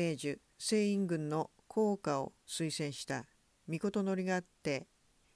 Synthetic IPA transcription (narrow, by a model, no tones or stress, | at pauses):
e̞ːʑɨ | se̞ːĩŋɡɯ̟̃nːo̞ | kʰo̞ːkao̞̰sɨisẽ̞ɰ̃ɕi̥t̪a | mʲiko̞t̪o̞no̞ɾʲiɡaːt̪ːe̞